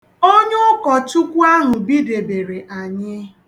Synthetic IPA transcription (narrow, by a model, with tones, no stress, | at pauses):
o˦ɲʊ˦kɔ˨tʊ˦kʷu˦a˦ɦʊ˨bi˦de˨be˨ɾe˨ʔa˨ɲɪ˦